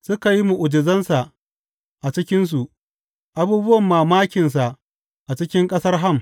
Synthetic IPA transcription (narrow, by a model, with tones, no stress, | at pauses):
sʊ˦ka˨ji˦mu˨ʔʊ˨d͡ʒɪ˨zɐ˦nsa˨ʔ | ʔa˨t͡ʃɪ˦kʲɪ˦ns̬u˨ʔ | ʔa˦buː˦bʊ˦wɐ˨mːaː˨maː˦kʲɪ˨ns̬a˨ʔ | ʔa˨t͡ʃɪ˦kʲɪ˦ŋkʼɐ˦sɐ˦rɦa˦˨m